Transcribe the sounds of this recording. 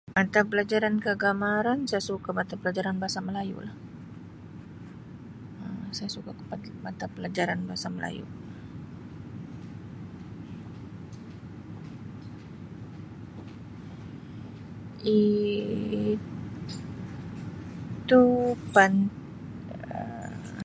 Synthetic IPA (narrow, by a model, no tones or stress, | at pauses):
mat̪apəlad͡ʒaɾankəɡamaɾansajasukamat̪apəlad͡ʒaɾanbaasaməlajṵlah | əsajasukakə̥padmat̪apəlad͡ʒaɾanbaasaməla̰jṵ | i | t̪upan | ə̰